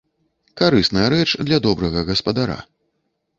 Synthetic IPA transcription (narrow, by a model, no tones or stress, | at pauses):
kaɾɨsnɐjɐɾɛt͡ʂd̪lʲɐd̪ɔbɾɐɣɐɣɐspɐd̪aɾa̰